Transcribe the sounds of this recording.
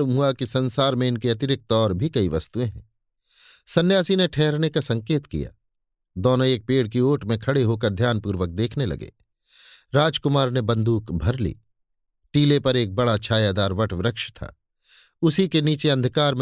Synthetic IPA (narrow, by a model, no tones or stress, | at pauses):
lumɦʊakisɐ̃nsaːɾmẽɪnkeɐt̪ɪɾɪk̚t̪ɔːɾbʱikɐiʋɐst̪uẽɦɛ̰̃ | sɐnːjaːsineʈʰɛːɦɾnekasɐ̃ŋkeːt̪kḭja̰ː | d̪ɔːnoeːk̚peːɽkioːʈmẽkʰɐɽeɦokɐɾd̪ʱjaːnpuːɾʋək̚d̪eːkʰnelɐ̰ɡḛː | ɾaːd͡ʒkʊmaːɾnebɐ̃nd̪ʱuːkbʱɐɾlḭː | ʈiːlepɐɾeːk̚bɐɽat͡ʃʰaːjaːd̪aːɾʋɐʈʋɾəkʃt̪ʰa̰ː | ʊsikeniːt͡ʃeɐ̃nd̪ʱkaːɾm